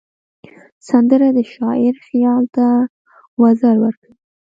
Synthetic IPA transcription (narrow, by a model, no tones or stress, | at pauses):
sand̪əɾad̪əʃɑɪɾxjɑlt̪a | wazaɾwəɾkawi